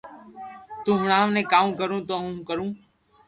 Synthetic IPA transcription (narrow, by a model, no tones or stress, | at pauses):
t̪ũːɦʊɳaːʋnẽːkãːkəɾũːt̪oːɦũːkəɾũː